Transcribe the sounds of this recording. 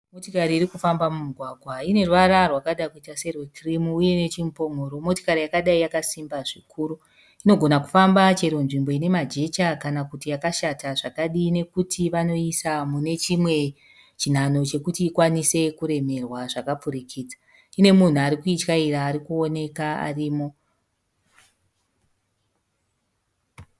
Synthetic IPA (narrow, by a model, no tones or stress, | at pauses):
motikaɾiːɾikufambamumuɡʱwaɡʱwaine̞rʋaɾarwakaɗakuitase̞rwekrimuːje̞ne̞t͡ʃimupo̞mo̞ːɾomo̞ti̥kaɾijakaɗaijakasimbaʐikʰuːɾu | ino̞ɡʱo̞naku̥fambat͡ʃeɾonʐimbo̞ine̞mad͡ʒe̞t͡ʃakanakutijakaʃataʐakaɗiːne̞kutʰiʋano̞isamune̞t͡ʃimwe̞ | t͡ʃin̤ano̞t͡ʃe̞kutiːkwanise̞kuɾe̞me̞rwaʐakapuɾikʰid͡za | ine̞mun̤uaɾikuit͡ʃkaiɾaːɾikuo̞ne̞kaa̰riːmo̞